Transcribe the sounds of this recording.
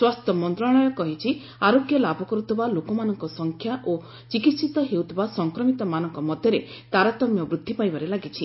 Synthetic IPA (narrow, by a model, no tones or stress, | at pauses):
swast̪ʰɔmɔnt̪ɾɔɽ̃ɔjɔkɔɦit͡ʃʰi | aɾoɡjɔlabʱɔkɔɾut̪ʰibalokɔmanɔŋkɔsɔŋkʰjaʔo | t͡ʃikit̪sit̪ɔɦeut̪ʰibasɔŋkɾɔmit̪ɔmanɔŋkɔmɔd̪ʱjɔɾe | t̪aɾat̪ɔmjɔbɾud̪ʱːipajbaɾelaɡit͡ʃʰi